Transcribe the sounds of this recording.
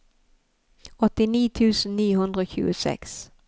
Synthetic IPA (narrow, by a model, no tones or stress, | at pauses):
ɔt̪ːɪniːt̪ʰʉ̟ːsənːiːʊhɵnd̪ɾaɔɕʉ̟̰ːʊsɛ̰ks